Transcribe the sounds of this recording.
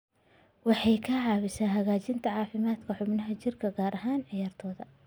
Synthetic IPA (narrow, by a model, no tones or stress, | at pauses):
wɑħɑjkʰɐʕɑːβɪsaːnɦɐɣaːt͡ʃɪnt̪ʰɐʕɑːfɪmaːd̪kʰɐħʊbnɐɦɐt͡ʃɪrkʰɐɡaːɾʔɐɦaːnʕɪjaːrt̪ʰɔːðɐ̰